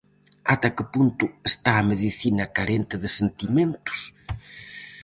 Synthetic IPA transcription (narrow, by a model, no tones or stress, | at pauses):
at̪akɪpunt̪ʊest̪aːmeðiθinɐkaɾent̪ɪðɪsent̪imẽnt̪ʊ̥s